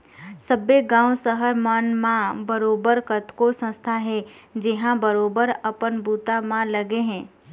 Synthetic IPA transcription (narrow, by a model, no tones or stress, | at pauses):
səbeɡãːwsəɦəɾmənmãbəɾoːbəɾkət̪kosə̃st̪ʰaɦɛd͡ʒɪɦãbəɾoːbəɾəpənbuːt̪amãləɡeɦɛ̃ː